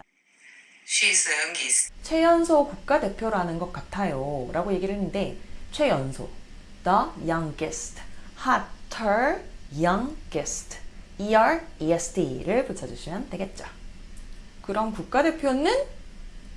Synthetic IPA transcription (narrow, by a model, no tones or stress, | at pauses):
ɕisŋɡist͡ɕʰwe̞jʌnsʰokuk̚k͈ade̞pʰjoɾanɯnɡʌk̚k͈atʰajoɾʔaɡoje̞ɡiɾɯɦenːɯnde̞t͡ɕʰwe̞jʌnsʰo̰ | dʌjaŋɡesʰtʰhatʰʌjaŋɡestʰ | iaɾiesʰdʰiɾɯɭput͡ɕʰad͡ʑuɕʰimjʌndeɡe̞t̚t͡ɕ͈ḁ | kɯɾʌmkuk̚k͈ade̞pʰjonɯn